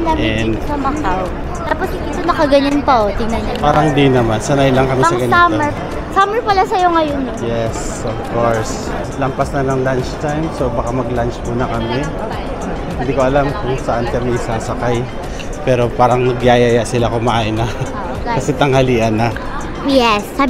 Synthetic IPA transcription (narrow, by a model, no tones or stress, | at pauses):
naɛd̪ɐmɐkaw | t̪aːposɪɪt̪onɐkɐɡɐɲonpɐʔot̪ɪŋnɐɲanpaːɾɐd̪inɐmansɐnajlɐŋkɐmisɐɡɐnaɛ | samɛɹpɐlasɐjo̞ŋɐjonjɛs | ovkoɹs | lɐmpasnɐnɐŋlant͡ʃt̪ajmso̞wbɐkamɐɡlant͡ʃmuːnɐkɐmɛ | hhɪnd̪iːko̞ʔɐlamkʊŋsɐʔankɐmisaːsɐkaj | pɛːɾo̞paːɾɐŋnɐɡjaːjajaʔsɪlakʊmaʔaːʔɪnɐ | kɐsɛt̪ɐŋhɐliːʔɐnɐ | jɛsːa